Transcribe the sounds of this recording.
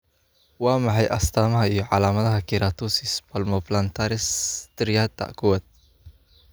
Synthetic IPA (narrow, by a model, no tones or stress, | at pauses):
wamaɦajʔast̪amahijɔʕalamat̪hakiɾat̪usispalmɔplant̪aɾɪst̪əɾiat̪ːa̰ʔkuat̪̚